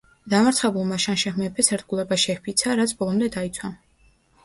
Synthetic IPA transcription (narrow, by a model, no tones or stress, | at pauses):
d̪amaɾt̪χɛbulˠmaʃanʃɛχmɛpʰɛsɛɾd̪̚ɡulˠɛbaʃɛhpʰit̪sʰaɾat̪sʰbɔlˠɔmd̪ɛd̪ait̪sʰwa